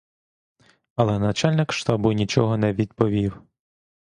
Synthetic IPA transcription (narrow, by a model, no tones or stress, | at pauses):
ɐlˠɛnɐt͡ʃɑlʲnɪkʃt̪ɑbʊnʲit͡ʃɔɦɔnɛʋʲid̪pɔʋʲiw